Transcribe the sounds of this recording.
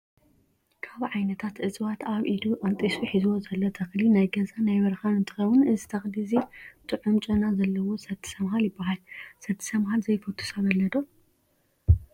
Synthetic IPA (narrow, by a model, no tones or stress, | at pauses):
kʰaβʕajnɐt̪ʰat̪ʔɨt͡sʼβat̪aβʔid̪uʔʼɐnt̪ʼisuħizuwozɐlːot̪ʰɐxlinajɡɐzanajmɐɾxanɨnt̪ʰɨxɐwunɨzɨt̪ʰɐxlizit̪ʰʼɨʕumt͡ʃʼunazɐlːɐwo̞sɐt̪ʰːɨ̥sɐmɦaljɪbːaɦalsɐt̪ʰːɨ̥sɐmhalzɐjfɐt̪ʰːu̥saβɐlːɐd̪o